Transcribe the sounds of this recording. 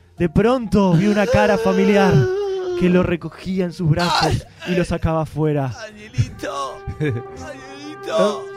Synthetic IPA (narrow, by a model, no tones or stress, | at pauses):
d̪e̞pɾo̞nt̪o̞βjounakaɾafamiljaɾke̞lo̞re̞ko̞xiaensuzβɾaso̞s | ilo̞sakaβafwe̞ɾa | o